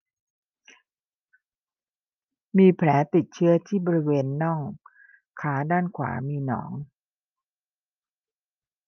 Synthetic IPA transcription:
miː˧pʰlɛː˩˦t̪i˨˩t̪̚t͡ɕʰɯ˦˥˩ɐt̪ʰiː˥˩bɔː˧ɾi˦˥weː˧nːɔ˥˩ŋ | kʰaː˩˦daː˥˩nkʰwa̰ː˩˦miː˧nɔ̰ː˩˦ŋ

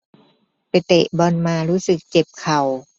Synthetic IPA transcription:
pa˨˩jt̪ḛ˨˩ʔbɔː˧nmaː˧ɾuː˦˥sɯ˨˩k̚t͡ɕe˨˩p̚kʰa˨˩w

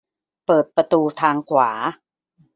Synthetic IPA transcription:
pɤː˨˩t̪̚pɾa˧t̪uː˧t̪ʰaː˧ŋkʰwaː˩˦

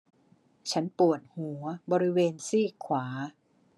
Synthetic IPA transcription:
t͡ɕʰa˦˥npu˨˩ət̪̚hu˩˦ɐbɔː˧ɾi˦˥weː˧nsiː˥˩kʰwaː˩˦

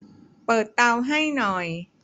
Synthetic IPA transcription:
pɤː˨˩t̪ːa˧wɦa˥˩jnɔ˨˩j

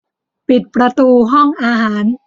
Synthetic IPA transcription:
pi˨˩t̪̚pɾa˧t̪uː˧ɦɔ˥˩ŋʔaː˧ɦaː˩˦n

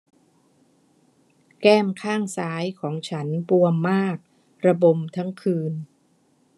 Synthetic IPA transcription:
kɛː˥˩mkʰaː˥˩ŋsaː˩˦˥jkʰɔː˩˦ŋt͡ɕʰa˦˥npu˧əmːaː˥˩k̚ | ɾa˧bo˧mt̪ʰa˦˥ŋkʰɯː˧n

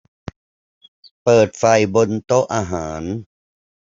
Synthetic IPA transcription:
pɤː˨˩t̪̚fa˨˩jbo˧nt̪o˦˥ʔaː˧ɦaː˩˦n

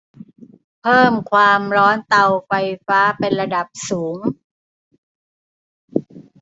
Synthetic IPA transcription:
pʰɤː˥˩mkʰwaː˧mɾɔː˦˥nt̪a˧wfa˧jfaː˦˥pe˧nɾa˧da˨˩p̚suː˩˦ŋ

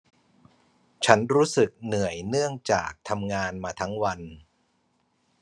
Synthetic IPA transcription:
t͡ɕʰa˦˥nɾuː˦˥sɯ˨˩k̚nɯ˨˩əjnɯ˥˩əŋt͡ɕa̰ː˨˩k̚t̪ʰa˧mŋaː˧nmaː˧t̪ʰa˦˥ŋwa˧n

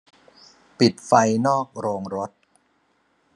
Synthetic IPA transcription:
pi˨˩t̪̚fa˧jnɔː˥˩k̚ɾoː˧ŋɾo˦˥t̪̚

